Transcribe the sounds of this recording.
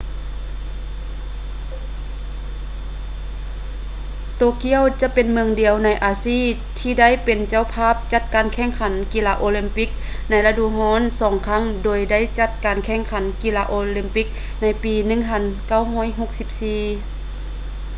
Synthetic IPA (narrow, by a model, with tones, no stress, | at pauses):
t̪oː˧˨ki˧˥˨əwt͡ɕa˧˥ʔpe˨nmɯ˧əŋdi˨əwna˧˥jʔaː˨˧siː˧˥˨ | t̪ʰiː˧da˥˨jpe˨nt͡ɕa˧˥˨wpʰaː˥˨p̚t͡ɕa˧˥t̪̚kaː˨nkʰɛ˧˥˩ŋkʰa˨˦nkiː˧laː˧ʔoː˧li˧mpi˧˥k̚ | na˧˥jla˧du˧˨ɦɔː˧˥˨nsɔː˨˦ŋkʰa˧˥˨ŋdoː˨˩jda˥˨jt͡ɕa˧˥t̪̚kaː˨nkʰɛː˧˩ŋkʰa˨˦nkiː˧laː˧ʔoː˧li˧mpi˧˥k̚ | na˧˥jpiː˨nɯ˧˥˨ŋpʰa˧˥˨nka˧˩˨wɦɔː˧˥˨jɦo˧˥k̚si˧˦p̚siː˧˩